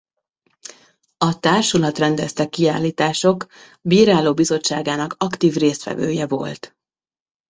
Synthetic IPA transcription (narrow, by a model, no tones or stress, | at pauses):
ɒt̪aːrʃulɒt̪rɛnd̪ɛst̪ɛkːiaːlːiːt̪aːʃo̞k | biːɾaːloːbizo̞t͡ʃːaːɡaːnɒkɒkt̪iːvreːst̪ʋɛ̰vø̰ːjɛvo̞̰lt̪